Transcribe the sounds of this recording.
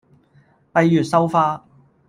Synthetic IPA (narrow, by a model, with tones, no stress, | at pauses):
pɐ˨˧jːyː˨˩t̚sɐ˥wfaː˥